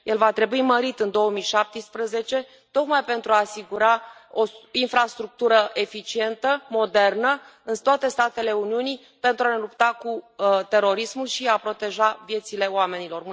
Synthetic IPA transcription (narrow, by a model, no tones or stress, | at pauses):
jʔelvat̪ɾe̞buiməɾit̪ɨnd̪o̞wəmijʃap̚t̪əspɾəze̞t͡ʃe̞ | t̪o̞kmajpe̞nt̪ɾuaːsiɡuɾaoinfɾast̪ɾuk̚t̪uɾəʔe̞fit͡ʃie̞nt̪əmo̞d̪e̞rnə | ɨnt̪oat̪e̞st̪at̪e̞le̞uniunij | pe̞nt̪ɾuane̞lupt̪akut̪e̞ɾo̞ɾismulʃiapɾo̞t̪e̞ʒavje̞t̪sile̞oame̞nilo̞r